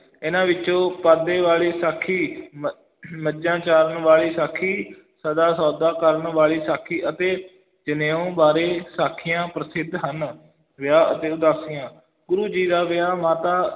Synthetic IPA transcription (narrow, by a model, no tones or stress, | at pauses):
ɪnãːʋɪt͡ʃõːpaːd̪eːʋaːɭiːsaːkʰːiː | məd͡ʒãːt͡ʃaːɾənʋaːɭiːsaːkʰːiː | səd̪aːsɔːd̪aːkəɾənʋaːɭiːsaːkʰiːʔət̪eː | d͡ʒənẽːõːbaːɾeːsaːkʰːɪjãːpɾəsɪd̪ʱɦən | ʋɪaːət̪eːʊd̪aːsɪjãː | ɡʊɾuːd͡ʒiːd̪aːʋɪaːmaːt̪aː